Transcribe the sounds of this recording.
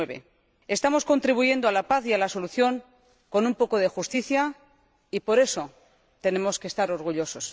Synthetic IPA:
eβe̞̰ | est̪amo̞sko̞nt̪ɾiβuʝe̞nd̪oalapaθialaso̞luθjo̞ŋ | ko̞numpo̞ko̞ðe̞xust̪iθja | ipo̞ɾe̞so̞ | t̪e̞ne̞mo̞skest̪aɾo̞ɾɣ̞uʎo̞so̞s

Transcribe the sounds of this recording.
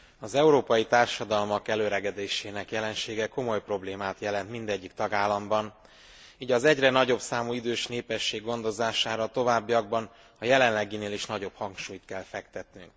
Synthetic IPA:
ɒzɛuɾoːpɒjit̪aːrʃɒd̪ɒlmɒkɛløːɾɛɡɛd̪eːʃeːnɛkjɛlɛnʃeːɡɛko̞mo̞jpro̞bleːmaːt̪jɛlɛnt̪mind̪ɛɟːikt̪ɒɡaːlːɒmbɒn | iːɟɒzɛɟrɛnɒɟo̞bsaːmuid̪øːʃneːpɛʃːeːɡːo̞n̪d̪o̞zaːʃaːɾɒt̪o̞vaːbːiɒɡ̚bɒn | ɒjɛlɛnlːɛɡineːliʃnɒɟo̞phɒŋkʃuːjt̪kɛlfɛkt̪ɛt̪nyŋk

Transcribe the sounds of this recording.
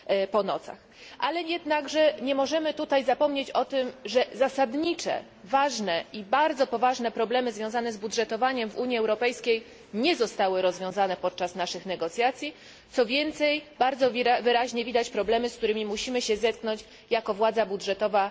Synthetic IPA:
pɔnɔ̰t̪sa̰x | ʔalɛjɛd̪naɡʐɛɲɛmɔʐɛmɘt̪ut̪ajzapɔmɲet͡ɕɔt̪ɘmʐɛzasad̪ɲit͡ʂɛ̰ | vaʐnɛʔibaɾd̪zɔpɔvaʐnɛpɾɔblɛmɘzvʲjɔ̃w̃zanɛzbudʐɛt̪ɔvaɲɛmvuɲiɛwɾɔpɛjskʲej | ɲɛzɔst̪awɘɾɔzvʲjɔ̃w̃zanɛpɔt̪̚t͡ʂasnaʂɘxnɛɡɔt̪sʲjat̪sʲji | t̪sɔvʲjɛnt̪sɛjbaɾd̪zɔvɘɾaʑɲɛvʲid̪at͡ɕpɾɔblɛmɘsk̚t̪uɾɘmʲimuɕimɘɕɛzɛt̪̚knɔɲt͡ɕ | jakɔvwad̪zabudʐɛt̪ɔva

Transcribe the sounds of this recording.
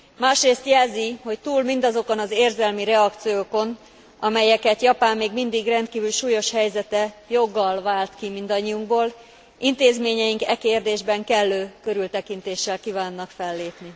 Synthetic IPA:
maːʃreːst̪jɛlziho̞ct̪uːlmind̪ɒzo̞konɒzeːrzɛlmiɾɛɒkt̪sijoːko̞n | ɒmɛjɛkɛt̪jɒpaːmːeːɡmind̪iɡrɛnt̪kiːvylʃuːjoʃhɛjzɛt̪ɛjo̞ɡːɒlvaːlt̪kimind̪ɒɲːiuŋɡboːl | ʔint̪eːzmeːɲɛjiŋkɛkeːrd̪eːʒbɛŋkɛlːøːkøɾylt̪ɛkint̪eːʃːɛlkiːvaːnːɒkfɛlːeːpni

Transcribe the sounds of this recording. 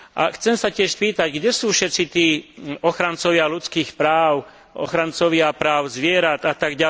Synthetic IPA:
ʔa̰xt͡sɛmsacɪɛʃspiːt̪aɟɡɟɛsuːfʃɛt̪t͡sit̪iːɔxɾant͡sɔʋɪalut͡skiːxpɾaːʊ | ɔ̰xɾant͡sɔʋɪapɾaːʊzʋɪɛɾad̪at̪aɡɟa

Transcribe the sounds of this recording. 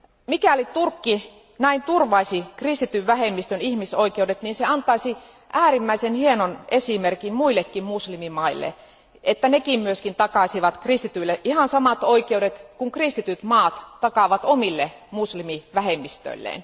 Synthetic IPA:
mikæˑolit̪urkːi | næint̪urʋɑisikrist̪it̪yʋʋæhemːist̪ønihmisoikeudet̪niːnseɑnt̪ɑisi | ʔæːrimːæisenhienonesimerkimmuilːekːimmuslimimɑilːḛ | ʔet̪ːænekimmyøskint̪ɑkɑˑsiʋɑt̪krist̪it̪yilːeʔʔihɑnsɑmɑt̪oikeudet̪kuŋkrist̪it̪yt̪mɑːt̪t̪ɑkɑʋɑt̪omilːe | muslimiʋæhemːist̪ø̰ĭlːˑḛˑːn

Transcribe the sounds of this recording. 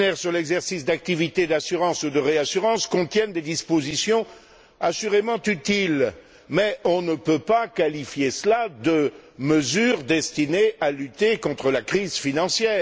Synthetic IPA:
nɛʁsyʁlɛɡzɛʁsisd̪ak̚t̪ivit̪ed̪asyʁɑ̃sud̪əʁeasyʁɑ̃skɔ̃t̪jɛnd̪ed̪ispozisjɔ̃ | asyʁemɑ̃t̪yt̪il | mɛɔ̃nəpøpakalifjesəlad̪əməzyʁd̪ɛst̪inealyt̪ekɔ̃t̪χəlakχizfinɑ̃sjɛː

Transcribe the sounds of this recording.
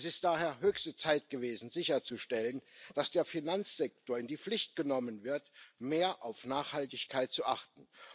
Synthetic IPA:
sɪst̚d̥aːɦeːɐɦøːçstət͡saɪt̚ɡ̥əveːzn̩zɪçɐt͡suʃtɛlənd̥asd̥eːɐfinant͡sz̥ɛk̚toːɐɪndiːp͡flɪçt̚ɡ̥ənɔmənvɪɐtmeːɐʔaʊfnaːχhaltɪçkʰaɪt̚t͡suʔaχtn̩

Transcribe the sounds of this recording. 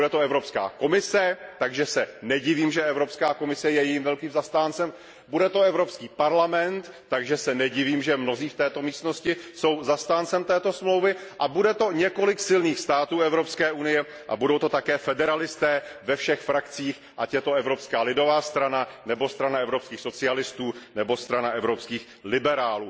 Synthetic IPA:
udɛt̪oɛvɾo̞pska̰ːko̞mɪsɛt̪aɡʒɛsɛnɛɟɪviːmʒɛʔɛvɾo̞pskaːko̞mɪsɛjɛjɛjimvɛlkiːmzast̪aːnt͡sɛm | budɛt̪o̞ɛvɾopskiːpaɾlamɛnt̪ːaɡʒɛsɛnɛɟɪviːmʒɛmno̞ziːft̪ɛːt̪o̞miːst̪no̞scɪso̞wzast̪aːnt͡sɛmt̪ɛːt̪o̞smlo̞wvɪʔabudɛt̪o̞ɲɛko̞lɪksɪlniːxst̪aːt̪uːɛvɾo̞pskɛːʔunɪjɛ | ʔa̰budo̞wt̪ot̪akɛːfɛdɛɾalɪst̪ɛːvɛfʃɛxfɾakt͡siːx | ʔacjɛt̪o̞ɛvɾo̞pskaːlɪdo̞vaːst̪ɾananɛbo̞st̪ɾanaɛvɾo̞pskiːxso̞t͡sɪalɪst̪uːnɛbo̞st̪ɾanaʔɛvɾopskiːx | lɪbɛɾaːluː

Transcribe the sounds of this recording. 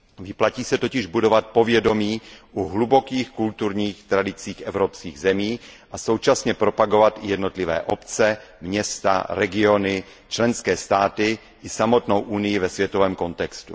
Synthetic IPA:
vɪplaciːsɛt̪o̞cɪʒbudo̞vat̪̚po̞vjɛdo̞miːʔuɦlubo̞kiːxkult̪uɾɲiːxt̪ɾadɪt͡siːxʔɛvɾopskḭːɣzɛmiːʔaso̞wt͡ʃasɲɛpɾo̞paɡo̞vat̪ʔɪjɛdno̞t̪lɪvɛ̰ːʔopt͡sɛmɲɛst̪a̰ɾɛɡɪo̞nɪ | t͡ʃlɛnskɛːst̪aːt̪ɪ | ʔɪsamo̞t̪nowʔunɪjɪvɛsvjɛt̪ovɛːmkont̪ɛkst̪ṵ

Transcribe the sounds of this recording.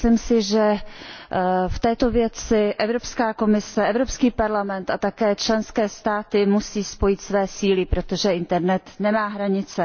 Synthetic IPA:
limsɪʒɛ | ft̪ɛːt̪o̞vjɛt͡sɪʔɛvɾo̞pskaːko̞mɪsɛʔɛvɾo̞pskiːpaɾlamɛnt̪at̪akɛːt͡ʃlɛnskɛːst̪aːt̪ɪmusiːspo̞jɪt̪svɛːsiːlɪpɾo̞t̪o̞ʒɛʔɪnt̪ɛɾnɛt̪nɛmaːɦɾaɲɪt͡sɛ

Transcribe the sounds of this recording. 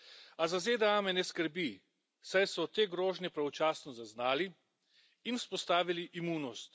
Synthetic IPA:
azazed̪ɛaːmɛnɛskəɾbi | sajsɔt̪eːɡɾoːʒnjɛpɾaɔt͡ʃaːsnɔzaznaːli | inuspɔst̪aːʋiliʔimuːnɔst̪

